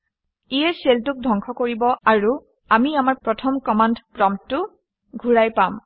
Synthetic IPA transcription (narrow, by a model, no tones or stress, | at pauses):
ijɛseltʊk̚dʱɔŋkʰɔkoɹibɔʔaɹu | amiamaɹpɹɔtʰɔmkɔmandpɹɔmtʊ | ɡʱuɹajpam